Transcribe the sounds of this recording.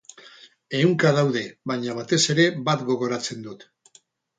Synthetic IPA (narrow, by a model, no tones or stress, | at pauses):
e̞uŋkaðawðe̞βaɲaβ̞at̪e̞se̞ɾe̞bat̪ɡo̞ɣo̞ɾat͡se̞nd̪ut̪